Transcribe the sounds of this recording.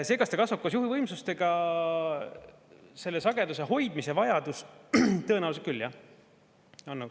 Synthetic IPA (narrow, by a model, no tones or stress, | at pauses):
se̞ːkɑst̪ekɑsvup̚kɑsjuɦivɤjmsust̪e̞ɡ̥ɑ | se̞lːe̞sɑɡe̞d̪use̞ɦo̞jd̪̥misevɑjɑd̪̥ust̪ɤ̞e̞næhwuset̪kylːjɑ | ɑnːu